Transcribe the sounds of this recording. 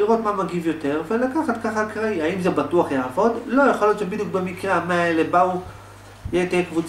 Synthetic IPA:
iʁo̞t̪mamaɡivjo̞t̪e̞ʁve̞lakaχat̪kaχakʁaiaimzebatuaχjaːvo̞d̪lo̞jaχoljo̞t̪t͡ʃebid̪juk̚bemikʁamaelebau | jet̪ekvut͡s

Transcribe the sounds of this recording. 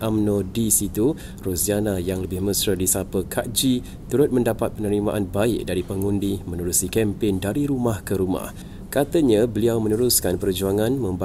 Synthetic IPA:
amnõdisit̪u | rusianajaŋləbɪhməsɾədisapəkʰaʔd͡ʒi | t̪uɾʊt̪̚mə̃ndapat̪̚pənəɾima̰ʔanbaɪk̚daɾipəŋundimə̃nuɾusikɛmpɪndaɾiɾumahkəɾuma̰h | kat̪əɲabəliawmə̃nəɾuskanpərd͡ʒuaŋãnmə̃mb

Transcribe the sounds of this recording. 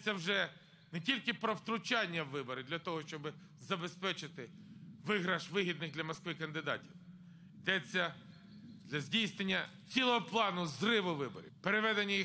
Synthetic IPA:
t͡sʲːɐwʒɛ | nɛtʲilʲkɪpɾɔwt̪ɾʊt͡ʃɑnʲːɐwːɪbɔɾɪd̪lʲɐt̪ɔɦɔʃt͡ʃɔbɪ | zɐbespɛt͡ʃɪt̪ɪʋɪɦɾɐʃʋɪɦʲid̪nɪɣd̪lʲɐmɔskʋɪkɐnd̪ɪd̪ɑ̰tʲiw | id̪ɛt͡sʲːɐ | d̪lʲɐzʲdʲijsnenʲːɐ | t͡sʲilˠɔɦɔplˠɑnʊzrɪʋʊʋɪbɔ̰ɾʲḭpeɾeʋɛd̪enʲːɐj

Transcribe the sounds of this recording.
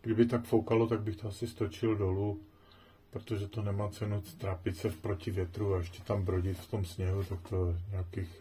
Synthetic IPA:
ɡ̥dɪbɪt̪akfowkalot̪aɡ̚bɪxt̪oasɪst̪o̞t͡ʃɪldo̞lu | pɾot̪oʒɛt̪onɛmaːt͡sɛnut̪ɾaːpɪt̪t͡sɛfpɾo̞cɪvjɛt̪ɾuaɛʃcɛt̪ambɾoɟɪt̪ft̪o̞msɲɛɦut̪ak̚t̪ojɛɲɛakix

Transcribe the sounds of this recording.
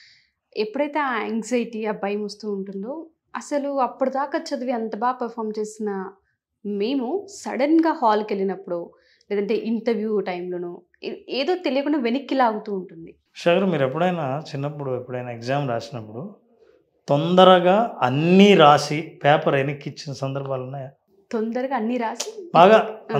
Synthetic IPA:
epːuɽɐjt̪e̞ːɛŋɡzɐjʈiɐbɐjɐmɐst̪uːɳʈund̪oː | ɐsɐluɐpːuɽud̪aːkaːt͡ʃɐd̪ɐʋiɐnt̪ɐbaːpɐɾpʰaːɾmt͡ʃe̞ːsinɐ | me̞ːmusɐ̰ɽɐnɡaːhaːlke̞lːinɐpːuɽu | lɛːd̪ɐɳʈe̞ːʔiɳʈɐɾʋjuːʈɐjmloːnu | eːd̪o̞ːt̪elijɐkuɳɖɐːʋe̞nikːilaːɡut̪uːɳʈund̪i | iʃaːkɐɾmiːɾepːuɽɐjnaːt͡ʃinːɐpːuɽuepːuɽɐjnaːekzaːmɾaːsinɐpːuɽu | t̪ond̪ɐɾɐɡaːɐnːiɾaːsipɛːpɐɾenikːit͡ʃːinɐsɐnd̪ɐɾbʱaːlunːaːjaː | t̪ond̪ɐɾɐɡaːɐnːiɾaːsibaːɡaː

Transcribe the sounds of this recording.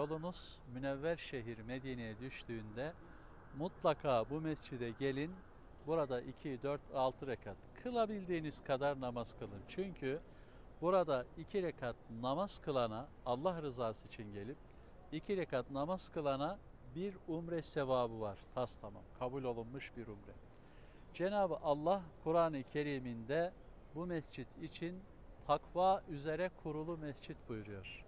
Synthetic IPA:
olˠunuz̥ | mynɛvːæɾʃe̞ɦiɾme̞d̪iːnijɛd̪yʃt̪ʰyːnd̪ɛ | mut̪lˠakʰaːbumɛsd͡ʒid̪ɛɟe̞lʲin | buɾad̪aʔicʰid̪øɾt̪ʰalˠt̪ʰɯɾekʰat̪kʰɯlˠabilʲd̪iːniz̥kʰad̪aɾnamaz̥kʰɯlˠɯnt͡ʃʰyɲcʰy | buɾad̪aicʰiɾekʰat̪̚namaz̥kʰɯlˠanaː | lˠːahɾɯzaːsɯit͡ʃʰinɟe̞lʲip̚ | icʰiɾɛkat̪namazkʰɯlˠana | biɾumɾɛsevaːbɯvaɾ̥t̪ʰast̪ʰama̰mkʰabulʲo̞lˠunmɯʃbiɾumɾɛ | d͡ʒe̞naːbɯʔalˠːahkʰuɾaːnɯcʰe̞ɾiːmind̪ɛ | bumɛsd͡ʒit̪ʰit͡ʃʰin | t̪ʰakvaːʔyze̞ɾɛkʰuɾulˠumɛsd͡ʒit̪bujɾujo̞ɾ̥

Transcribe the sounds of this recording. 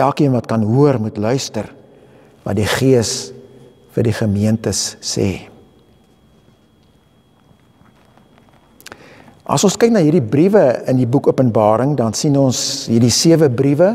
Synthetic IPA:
ælˠkiənvɐtkɐnɦuərmutlœɥstər | vɐ̰t̚diχiəs | fərdiχəmiəntəsːɛ̰ː | ʔɐ̰sɔnskɛjk̚nɑːɦiːrdibrivəəndibukuəpənbɑːɾəŋdɐnsinɔnsɦiːrdisiəvəbrivə

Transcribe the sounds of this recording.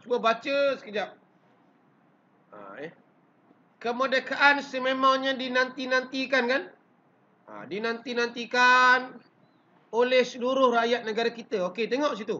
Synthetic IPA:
t͡ʃubəbat͡ʃəsə̥kəd͡ʒap̚ | a̰ɛ | kəmədəkaʔansəmemaŋɲadinant̪inant̪ikankan | a̰dinant̪inant̪ikan | olɛhsəluɾʊhrajat̪̚nəɡaɾakit̪əoket̪eŋɔʔs̬it̪u

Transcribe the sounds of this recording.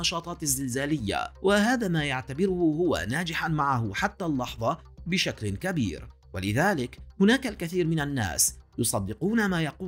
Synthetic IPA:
ɑʃɑːt̪ˤɑːt̪ɪzːɪlzaːlɪjːa̰wʔahaːðaːmaːjaʕt̪abɪɾʊhʊhʊwa̰naːd͡ʒɪħanmaʕahʊħat̪ːaːlːɑħðˤɑ | bɪʃaklkabḭːɾ | walɪðaːlɪkhʊnaːkalkaθiːɾmɪnanːa̰ːsjʊsˤɑd̪ːɪquːnamaːjɑquː

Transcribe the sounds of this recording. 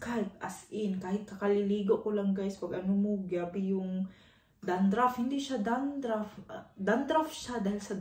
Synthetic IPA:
katʔasʔɪnkaːhɪt̪̚kɐkalɪliːɡoʔkolaŋɡajspaɡʔɐnʊmoɡjabɪjʊŋ | d̪and̪ɾafhɪnd̪ɪʃad̪and̪ɾafd̪and̪ɾafʃad̪aːhɪlsɐd̪

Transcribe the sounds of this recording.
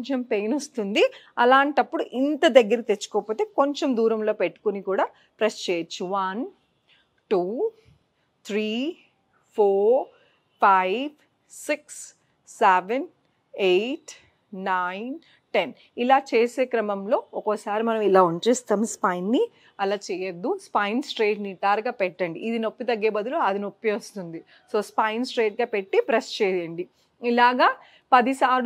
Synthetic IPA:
ɲt͡ʃempe̞jnost̪und̪i | ɐlaːɳʈɐpːuɽuʔint̪ɐd̪ɐɡːɐɾit̪e̞t͡ʃːu̥kɔːpoːt̪e̞ːko̞ɲt͡ʃemd̪uːɾɐmlo̞ːpeʈːu̥kunikuːɽaː | pɾɐst͡ʃeːt͡ʃuʋɐn | ʈuː | t̪ʰɾiː | pʰoːɾ | pʰajb | siksː | eʋen | ejʈː | aːjn | ʈen | ilaːt͡ʃeːse̞ːkɾɐmɐmlo̞ːɔkosaːɾimɐnɐmilaːuɲt͡ʃeːst̪aːmspɐjnːi | ɐlaːt͡ʃɛːjɐd̪ːuspɐjnsʈɾeːʈniʈaːɾɡaːpɛʈːɐɳɖiʔːd̪inopːit̪ɐɡːeːbɐd̪uloɐd̪inopːijʋɐst̪und̪i | so̞ːspɐjnsʈɾeːʈ̚ɡaːpeʈːipɾest͡ʃɛːjɐɳɖi | ilaːɡaː | pɐd̪isaːɾ

